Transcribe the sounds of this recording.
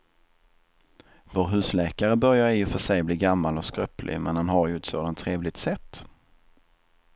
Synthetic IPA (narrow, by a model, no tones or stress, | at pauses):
voːɾɦʉ̟ːslɛːkaɾəbœɾjaɾɪɔfœʂɛjbliːɡamːalɔskɾœplʔɪ̰mɛnhanɦaɾjɵɛt̪soːd̪ant̪ʰːɾeːvlɪt̪sɛt̪ː